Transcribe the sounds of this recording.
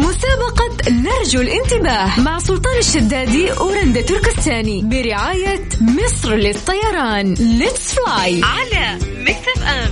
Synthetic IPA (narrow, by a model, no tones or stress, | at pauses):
mʊsaːbɑqɑnɑɾˤd͡ʒalʔɪnt̪ɪbaːhmaʕsˤʊlt̪ˤɑːnaʃːad̪ːaːd̪iʔʊːɾand̪at̪ʊɾkɪst̪aːnibɪɾɪʕaːjamɪsˤɾlɪt̪ˤːɑjɑɾˤɑːnlɪt̪sflaːjʕalamak̚t̪abʔaːm